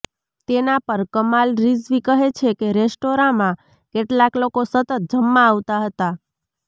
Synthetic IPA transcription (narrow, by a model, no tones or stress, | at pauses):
t̪enapəɾkəmalɾizʋikəɦet͡ʃʰekeɾesʈoɾãmã | keʈlaklokosət̪ət̪̚d͡ʒəmːaːʋt̪aɦət̪a